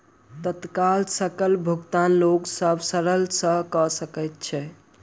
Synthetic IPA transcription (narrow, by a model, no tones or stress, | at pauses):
t̪ət̪kalsəkəlbʱuɡt̪anloksəbʱsəɾəlsə̃kəsəkɛjt̪̚t͡ʃʰɛ